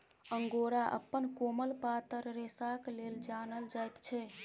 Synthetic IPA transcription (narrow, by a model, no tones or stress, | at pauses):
əŋɡoɾaʔə̰pːənkoməlpat̪əɾɾesakleld͡ʒanəld͡ʒajt̪t͡ʃʰɛ